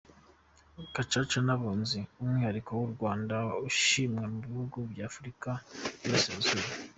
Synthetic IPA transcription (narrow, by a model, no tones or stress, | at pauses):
kat͡ʃat͡ʃanaβoːnziumŋwihaɾikowuɾɡwaːndauʃimŋemuβihuɡubɟaːfɾikajoːseːzuɾe